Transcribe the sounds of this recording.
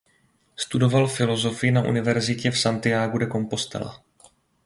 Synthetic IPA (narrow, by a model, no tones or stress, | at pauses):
st̪udo̞valfɪlo̞zo̞fɪɪnaʔṵnɪvɛɾzɪcɛfsant̪ɪjaːɡudɛko̞mpo̞st̪ɛ̰la̰